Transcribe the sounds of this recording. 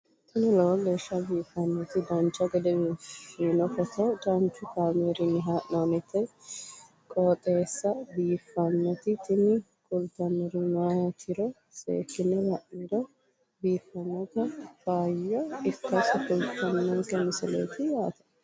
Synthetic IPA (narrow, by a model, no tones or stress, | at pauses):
nʊlɐwɔɡe̞ːʃːɐbiːfːɐnːɔt̪ɪd̪ɐnt͡ʃːɐɡɛd̪ɛbiːfinɔkɔt̪ɔd̪ɐnt͡ʃːʊkaːmeːɾɪnːɪɦaʔnanɛt̪ːɛ | kʼɔːt̪ʼeːsːɐbiːfːɐnːɔt̪ɪt̪ɪnɪ | kʼʊlt̪ɐnːɔɾɪmaːjɐt̪ʰɪɾɔ | sḛːkːɪnɛlɐʔid̪ɔ | biːfːɐnɔkɐfaːjːɔɪkːɐsɐkʊlt̪ɐnːɐŋkɛmɪsɪlḛːt̪ɪjaːt̪ɐ̥